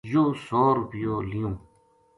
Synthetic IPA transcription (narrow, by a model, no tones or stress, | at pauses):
joːsoːɾupijoːlijõː